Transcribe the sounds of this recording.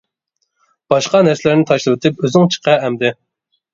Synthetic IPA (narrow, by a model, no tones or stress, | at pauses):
b̥ɑʃqɑnæɾsɪlæɾnɪt̪ʰɑʃlˠɨwɪt̪ʰɪpøzɪŋt͡ʃʰə̥qʰɛɛmd̪ɪ